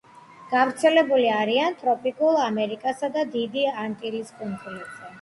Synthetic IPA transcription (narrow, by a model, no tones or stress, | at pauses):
ɡ̥avɾt̪sʰɛlɛbuliaɾiant̪ʼɾɔpʼikʼulˠamɛɾikʼasad̪ad̪id̪iant̪ʼiɾiskʼunlit̪z̥ɛ